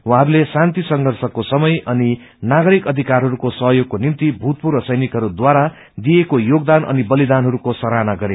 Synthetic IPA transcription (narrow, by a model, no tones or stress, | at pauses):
waɦaɾulesant̪isʌŋɡʱʌrsʌkosʌmʌjʌni | naɡʌɾikʌd̪ʱikarɦʌɾukosʌɦjoɡ̚konimt̪ibʱut̪̚purʌsʌjnikɦʌɾud̪waɾa | d̪ijekojoɡ̚d̪anʔʌ̰nibʌlid̪anɦʌɾukosʌɾanaɡʌɾe